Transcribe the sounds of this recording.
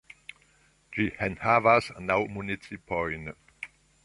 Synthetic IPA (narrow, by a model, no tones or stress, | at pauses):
d͡ʒihɛ̃nhavasnawmunisipʰɔjn